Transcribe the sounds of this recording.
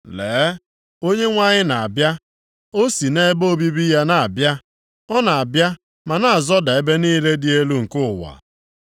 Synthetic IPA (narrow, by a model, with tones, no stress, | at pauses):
leː˨˦ | o˦ɲe˦ŋʷa˦ɲɪ˦na˨a˨bja˦ | o˦si˨ne˦bo˦bi˦bi˦ja˦na˨a˨bja˦ | ɔ˦na˨a˨bja˦ | ma˨na˨a˨zɔ˦da˨e˦be˦niː˦le˦dɪ˨e˦lu˦ŋ̩˨kʊ˦ʊ˨wa̰˨